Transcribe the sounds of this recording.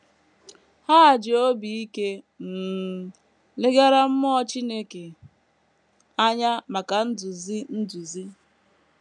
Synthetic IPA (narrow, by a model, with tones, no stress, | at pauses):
ha˦˨d͡ʒɪ˨o˦bi˨i˦ke˦ | m̩˨ | lɪ˦ɡa˦ɾa˦m̩˦mɔ˦t͡ʃi˦ne˦ke˨ | a˦ɲa˦ma˨ka˨n̩˦du˨zi˦n̩˦du˨zi˦